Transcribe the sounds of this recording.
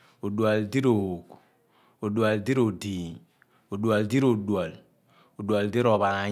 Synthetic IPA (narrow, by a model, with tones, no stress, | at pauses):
o˨du˨a˨ldi˦ɾo˨o˨k | o˨du˨a˨ldi˦ɾo˨di˨ | o˨du˨a˨ldi˦ɾo˨du˨a˨l | o˨du˨a˨ldi˦ɾo˨βa˨na˨